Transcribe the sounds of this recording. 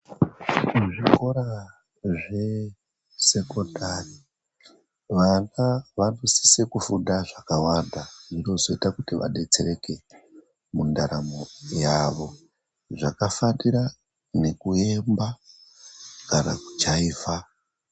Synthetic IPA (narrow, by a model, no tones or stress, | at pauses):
uʐiko̞ɾa | ʐe̞ | se̞ko̞ndari | ʋanaʋanosi̥se̞kufudaʐakawandaʐino̞zo̞itakutiʋa̰ɗe̞t͡se̞re̞ke̞ | mundaɾamojaʋo̞ | ʐakafaniɾa | ne̞kue̞mba | kana̰ku̥t͡ʃaiːfa